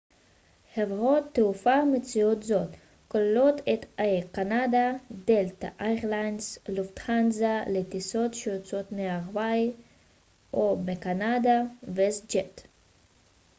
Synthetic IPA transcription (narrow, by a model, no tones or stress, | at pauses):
hevʁot̪ːeufamet͡siot̪zo̞t̪ | kolelo̞t̪et̪akanad̪ad̪elt̪a̰ʔajʁlajnsluft̪χanzalet̪iso̞t̪ʃeot͡sot̪meaʁvaj | ʔomekanadavesd͡ʒet